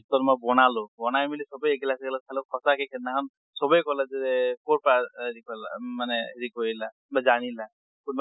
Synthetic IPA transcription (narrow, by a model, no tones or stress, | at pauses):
tɔtmɔbɔnalʊbɔnajmilisɔbɔjekilaskɛlasʰalokʰɔsakʰɛkʰɛnnakʰɔn | sɔbɔjkɔlazɛɛkɔɹpaɾikɔlamanɛɹikɔila | bazañila | kunba